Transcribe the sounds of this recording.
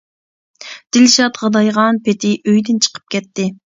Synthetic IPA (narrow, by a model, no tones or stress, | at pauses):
d̪̥ɪlʃɑt̪ʁɑd̪ɑjʁɑnpɪt̪ʰɪʔøjd̪ɪnt͡ʃʰə̥qʰə̥p̚kʲɛt̪ːɪ